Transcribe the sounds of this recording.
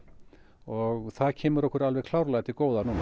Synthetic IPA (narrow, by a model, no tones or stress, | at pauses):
ɔɣθaðcʰɛːmʏɾɔhkʏɾalvɛɣkʰlawɾlajɣt̪ʰikoːwðanuːna